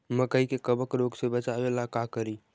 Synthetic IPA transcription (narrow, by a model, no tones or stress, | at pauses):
məkəikekəbəkɾoɡsebət͡ʃabelakakəɾi